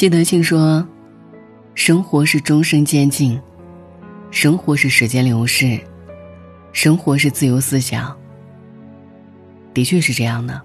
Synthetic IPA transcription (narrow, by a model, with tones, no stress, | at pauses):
t͡ɕi˥˩d̪ə˧t͡ɕʰi˥˩ŋʂwɔ˥ | ʂɤ˥ŋxwɔ˧˥ʂɻ̩˥˩ʈ͡ʂʊ˥ŋʂɤ˥ŋt͡ɕjɛ˥nt͡ɕi˥˩ŋ | ʂɤ˥ŋxwɔ˧˥ʂɻ̩˥˩ʂɻ̩˧˥t͡ɕjɛ˥nljo˧˥ʊʂɻ̩˥˩ | ʂɤ˥ŋxwɔ˧˥ʂ̬ɻ̩˥˧t͡sɹ̩˥˩jo˧˥ʊsɹ̩˥ɕjɑ̰˨˩˦ŋ | t̪i˧˥t͡ɕʰɥɛ˥˧ʂɻ̩˥˧ʈ͡ʂɤ˥˧jɑ˥˩ŋd̪ə˩